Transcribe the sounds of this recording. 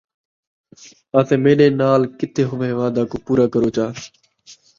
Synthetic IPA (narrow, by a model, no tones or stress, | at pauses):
aːt̪ẽːmẽːneːnaːlkɪt̪ʰeːɦʊʋẽːʋaːd̪aːkoːpuːɾaːkəɾoːt͡ʃʰaː